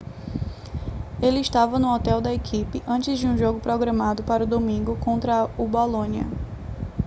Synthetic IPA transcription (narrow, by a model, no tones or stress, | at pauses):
elɪɪʃt̪avɐnʊɔt̪ɛwd̪ɐekʰipɪʔɐ̃t͡ʃɪzd͡ʒɪũʒoɡʊpɾɔɡɾɐ̃mad̪ʊpaɾʊd̪omĩŋɡʊkõnt̪ɾɐubolõniɐ̰